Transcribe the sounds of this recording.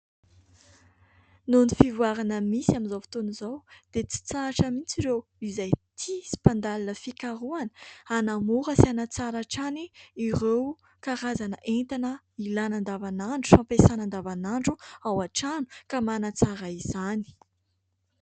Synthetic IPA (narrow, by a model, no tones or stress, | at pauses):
nunifivuaɾanəmisiamizowfi̥t̪onizawd̪̥et͡si̥t͡saʈ͡ʂəmint͡siɾewizajt̪ʰisi̥pand̪alanəfikaɾuanəanamuɾəsianat͡saɾaʈ͡ʂaniːɾew | kaɾazanəʔent̪anə | ilanand̪avanaɳɖ͡ʐu̥fampesanand̪avanaɳɖ͡ʐuawaʈ͡ʂanu̥kamanat͡saɾaiz̥ani̥